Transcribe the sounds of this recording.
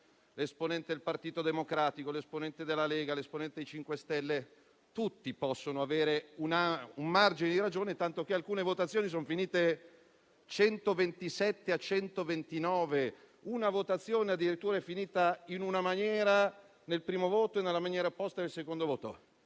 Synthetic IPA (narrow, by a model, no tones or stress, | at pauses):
lesponɛnt̪ed̪elpart̪iːt̪od̪emokɾaːt̪ikolesponɛnt̪ed̪elːaleːɡalesponɛnt̪ed̪it͡ʃiŋkwest̪ɛlːe | t̪ut̪ːipɔsːonoaveːɾeunaummard͡ʒined̪iɾad͡ʒoːnet̪ant̪ok̟ealkuːnevot̪at̪sːjoːnis̬onfiniːt̪e | t͡ʃɛnt̪ovent̪isɛt̪ːeat͡ʃːɛnt̪ovent̪inɔːve | unavot̪at̪sːjoːnead̪ːiɾit̪ːuːɾaɛfːiniːt̪ainunamanjɛːɾa | nelpɾiːmovoːt̪oenːelːamanjɛːɾaopːɔst̪anelsekond̪ovoːt̪o̰